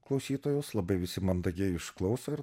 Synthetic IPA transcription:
klˠɒʊsʲiːt̪oːjoːslˠɐbɐɪʋʲɪsʲɪmɐnd̪ɐɡʲɛɪɪʃklˠɐʊsɐɪɾ

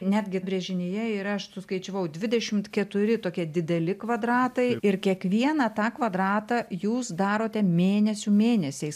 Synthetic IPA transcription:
nʲæːd̪ʲɡʲɪbʲɾʲɛʒʲɪnʲɪjɛiːɾɐɐʃsʊskɐɪt͡ʃʲoʋɐʊd̪ʲʋʲɪd̪ʲɛʃʲɪmt̪kʲɛt̪ʊɾʲɪt̪oːkʲiɛd̪ʲɪd̪ʲɛlʲɪkʋɐd̪rɑːt̪ɐɪɪɾkʲiɛkʋʲiɛnɐt̪ɑːkʋɐd̪ɾɑːt̪ɑjuːsd̪ɑːɾoːt̪ʲɛmʲeːnʲɛsʲumʲeːnʲɛsʲɛɪs

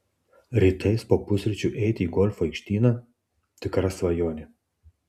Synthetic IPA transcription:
ɾʲiːt̪ɐɪspoːpʊsʲɾʲɪt͡ʃʲuːˑʔɛɪt̪ʲiːɡɔlʲfoɐɪkʃʲt̪ʲiːnɐ | t̪ʲɪkɾɐsʋɐjoːnʲɪ

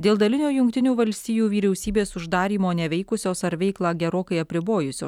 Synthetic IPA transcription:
d̪ʲeːlˠd̪ɐlʲɪnʲuːjʊŋkt̪ʲɪnʲuːʋɐlʲsʲt̪ʲiːjuːʋʲiːɾʲɛʊsʲiːbʲeːsʊʒd̪ɑːɾʲiːmoːnʲɛʋʲɛɪkʊsʲoːsɐɾʋʲɛɪklˠɑːɡʲɛɾoːkɐɪɐpʲɾʲɪboːjʊsʲo̰ːs

